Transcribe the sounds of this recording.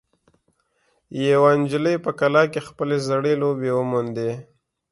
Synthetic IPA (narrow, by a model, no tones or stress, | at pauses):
jewɑnd͡ʒɪləjpəkalɑkexpəlezəɽelobewəmund̪e